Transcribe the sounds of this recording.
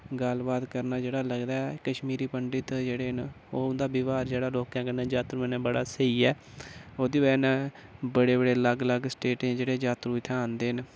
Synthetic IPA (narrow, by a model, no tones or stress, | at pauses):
ɡəlbaːt̪kəɾnaːd͡ʒeːɽaːləɡd̪aːɛkəʃmiːɾiːpəɳɖɪt̪d͡ʒeːɽeːn | oːʊnd̪aːbɪʋaːɾd͡ʒeːɽaːloːkãːkənɛ̃ːd͡ʒaːt̪ɾũːnɛ̃ːbəɽaːsəiːɛː | oːd̪iːʋɛːnːbəɽeːbəɽeːləɡləɡsʈeːʈẽːd͡ʒeːɽeːd͡ʒaːt̪ɾũːt̪ʰɛãːnd̪eːɦn